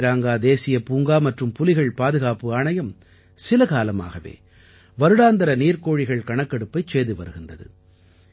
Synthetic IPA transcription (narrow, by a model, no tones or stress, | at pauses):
ɾaːŋɡaːd̪eːsɪjɐpuːŋɡaːmɐʈrɯmpʊlɪɣɐɭpaːðɯɣaːpɯaːɳɐjɐm | sɪlɐɣaːlɐma̰ːɣɐʋḛː | ʋɐɾɯɽaːnd̪ɐɾɐniːɾkoːɻɪɣɐɭkɐɳɐkːɐɽɯpːɐɪt͡ʃeːðɯʋɐ̰ɾɯɣɪnd̪ɐðɯ̰